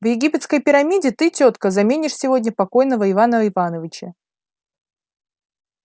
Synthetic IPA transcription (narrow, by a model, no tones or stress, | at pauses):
vjɪɡʲipʲɪt̪skəjpʲɪɾɐmʲidʲɪt̪ɨtʲot̪kəzɐmʲenʲɪʂsʲɪvo̞dʲnʲəpɐko̞jnəvəɪvanəɪvanəvʲɪt͡ɕə